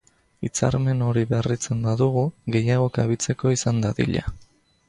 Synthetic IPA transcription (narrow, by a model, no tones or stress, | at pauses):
it͡sa̰ɾme̞no̞ɾiβe̞rit͡se̞mbaðuɣ̞uɣe̞jaɣ̞o̞kaβit͡se̞ko̞isand̪aðḭʎa̰